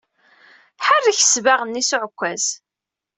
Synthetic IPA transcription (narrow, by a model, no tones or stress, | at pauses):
ħərːiçə̥svaʁənːisʊʕkʷːæz